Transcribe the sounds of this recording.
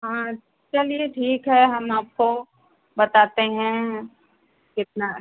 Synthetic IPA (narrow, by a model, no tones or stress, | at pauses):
ɦãː | t͡ʃɐlieʈʰiːkɦɛɦɐmaːp̚ko | bɐt̪aːt̪eɦɛ̃ | kɪt̪̚na